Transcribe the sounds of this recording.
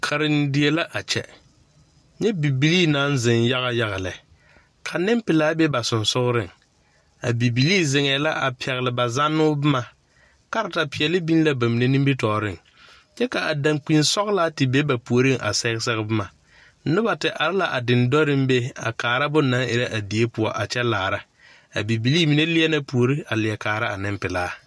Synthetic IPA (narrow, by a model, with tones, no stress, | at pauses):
kʰa˨ɾɪ˨ndɪ˨e˨˦la˦ʔa˨t͡ʃɛ˨ | ɲɛ˦bi˨bi˨liː˦na˦nzɪ˨n˦ja˦ɣa˦ja˦ɣa˨lɛ˨ | kʰa˨nɪ˦mpɪ˨laː˦be˦ba˨sʊ˨nsʊ˦ɣɾɪ˦˨ŋ | a˨bi˨bi˨liː˦zɪ˨ŋɛː˨la˦ʔa˨pʰɛ˨ɣɪ˨lɪ˨ba˨za˦nːʊː˦bɪ˦ma˨ | ka˦ɾa˨ta˨pɪ˨ɛ˨lɪ˦bi˦n˦la˦ba˨mi˨ne˦nĩ˦mbi˦tɔː˨ɾɪ̰˦˨ŋ | t͡ʃɛ˦ka˨ʔa˨da˨ŋk͡pi˨nsɔ˦ɣlaː˦tɪ˨be˦ba˨pu˨o˨ɾɪ˦ŋʔa̰˨sɛ˦ɣɪ˦sɛ˦ɣɪ˦bɪ˦ma˨˦ | nʊ˦ba˨tɪ˨ʔa˨ɾɪ˦la˨ʔa˨dɪ˨ndɔ˦ɾɪ˦mbe˦a̰˨kaː˨ɾa˦bʊ˦nːa˦ŋɪ˨ɾa˦ʔa˨di˨e˦pʊ˨ɔ˨ʔa˨t͡ʃɛ˦laː˨ɾa˦ | a̰˨bi˨bi˨liː˦mi˨ne˦lɪ˦ɛ˦na˦pu˨o˨ɾi˦a˨lɪ˨ɛ˨kaː˨ɾa˦a˨nɪ˦mpɪ˨laː˨˦